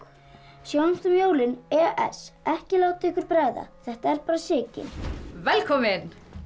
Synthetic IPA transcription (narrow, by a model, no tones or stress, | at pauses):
sjownst̪ʏmjoːwlɪnɛaʔɛ̰sɛhcɪlaːwt̪ɪɪhkʏɾ̥pɾɛɣða̰θɛht̪aɛɾ̥paːɾasɪːcɪ̰nvɛlkʰɔːmɪn